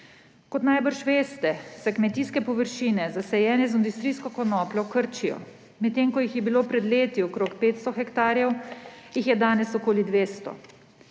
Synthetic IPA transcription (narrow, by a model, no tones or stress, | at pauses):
kɔt̪najbəɾʃʋeːst̪ɛsɛkmɛt̪iːskɛpɔʋəɾʃiːnɛzasɛjɛːnɛzind̪ust̪ɾiːskɔkɔnɔːplɔkəɾt͡ʃijɔ̰ | mɛt̪ːeːŋkɔjixjɛbiloːpɾɛd̪leːt̪jiɔkɾoːkpeːt̪st̪ɔxɛkt̪aːɾjɛwjixjɛd̪aːnɛsɔkoːlid̪ʋeːst̪ɔ̰